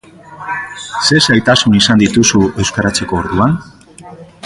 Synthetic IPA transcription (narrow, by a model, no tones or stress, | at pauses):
se̞sajt̪asunisand̪it̪usue̞wskaɾat͡se̞ko̞ːɾðuan